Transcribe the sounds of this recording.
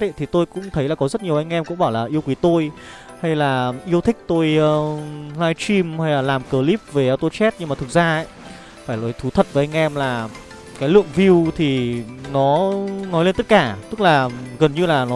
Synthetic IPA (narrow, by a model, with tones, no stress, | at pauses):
e˧˨t̪ʰi˨˩t̪o˧jkʊ̰˧˥ŋ͡mt̪ʰə˨˦jlaː˨˩kɔ˨˦zə˦˥t̚ɲi˨˩əwʔa˧jŋ̟ʔɛ˧mkʊ̰˧˥ŋ͡mɓaː˧˩wlaː˨˩ʔi˧əwkwi˨˦t̪o˧j | ha˧jlaː˨˩ʔi˧əwt̪ʰï˦˥k̟̚t̪o˧jːlaː˧jt͡ɕi˧mha˧jlaː˨˩laː˨˩mkəː˨˩li˦˥p̚ve˨˩ʔaː˧wt̪o˧t͡ɕɛ˦˥t̚ɲɨ˧maː˨˩t̪ʰɨ˨˩k̚zaː˧ʔə̰˧˨j | faː˧˩jlɔ˨˦jt̪ʰu˨˦t̪ʰə˨˩t̚və˨˦ʔa˧jŋ̟ʔɛ˧mlaː˨˩ | kaː˨˦jlɨ̰˧˨əŋvi˧wt̪ʰi˨˩nɔ˨˦nɔ˨˦le˧nt̪ə˦˥t̚kaː˧˩t̪ɨ˦˥k̚laː˨˩ɣə˨˩nɲɨ˧laː˨˩nɔ˨˦